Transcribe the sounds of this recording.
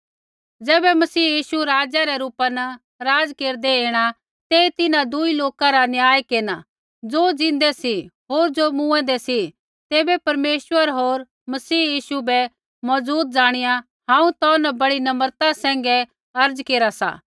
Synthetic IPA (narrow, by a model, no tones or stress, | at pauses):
d͡zɛːbɛmɐsiːjiːʃuɾaːd͡ʒaɾɛɾuːpanɐ | ɾaːd͡zkeːɾd̪ɛeːɽ̃a | t̪eːit̪ɪnãd̪uiloːkãɾanjaːjkeːna̰ | d͡zod͡zɪ̃nd̪ɛsiɦoːɾd͡ʒomũːɛ̃d̪ɛsi | t̪eːbɛpɐɾmeːswəɾɦoːɾ | mɐsiːjiːʃubɛ | mɐzuːt̪̚d͡zaːɽ̃ɪja | ɦãːũt̪ɔːnɐbɐɽinɐməɾt̪ãsɛ̃ːŋ̆ɡɛ | ɐɾd͡zkeːɾasa̰ː